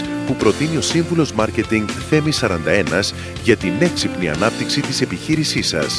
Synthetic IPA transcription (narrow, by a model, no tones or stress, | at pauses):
pupɾo̞t̪inio̞siɱvulo̞zmɐɾce̞t̪iŋɡθe̞misɐɾɐnd̪ɐe̞nɐz | ʝɐt̪ine̞ksipniɐ̰nɐp̚t̪iksit̪ise̞piçiɾisisɐ̰s